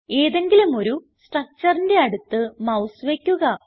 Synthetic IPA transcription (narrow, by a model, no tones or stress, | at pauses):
e̞ːðe̞ŋɡilumo̞ɾu | sʈrɐk̚t͡ɕːɐrinde̞ɐɽut̪ːɨmɐwsʋe̞kʲːuɣɐ